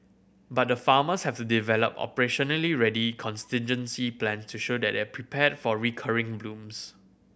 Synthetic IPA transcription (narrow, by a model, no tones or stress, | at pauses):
bat̚dəfaːməshɛftudivɛlə̰pɔ̰pəɹeʃɔnəliɹɛdikʰɔ̃nstɪ̃nd͡ʒə̃nsiplɛ̃nstuʃodɛ̰t̚dɛapʰɹipʰɛd̚fɔɹikʰaɹɪ̃ŋblũms